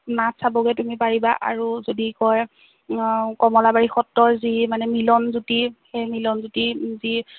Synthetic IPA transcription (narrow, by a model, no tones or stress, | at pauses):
natsabɔɡɛtumipaɹibaʔa̰ɹuzodikɔj | kɔmɔlabaɹixɔtːɔɹzimanɛmilɔnzutixejmilɔnzutizi